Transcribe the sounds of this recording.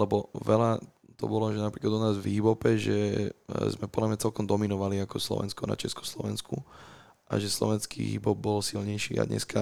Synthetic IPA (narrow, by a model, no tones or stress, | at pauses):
lɛbɔʋɛla | t̪ɔ̰bɔlɔʒɛnapɾiːklad̪unaːzvɦibɔpɛʒɛ | zmɛpɔd̪lamɲat͡sɛlkɔmd̪ɔminɔʋaliakɔslɔ̰ʋɛ̰nskɔna̰t͡ʃɛskɔ̥slɔʋɛnskʰu | ʔa̰ʒɛslɔ̰ʋɛnskʰḭɦḭbɔb̚bɔlsilɲɛjʃiːa̰d̪ɲɛ̰ska